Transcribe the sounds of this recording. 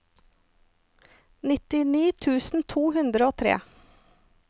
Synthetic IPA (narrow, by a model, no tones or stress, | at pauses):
nɪt̪ɪniːt̪ʰʉːsn̩t̪ʰuːhʉnd̪ɾəoːt̪ʰɾḛː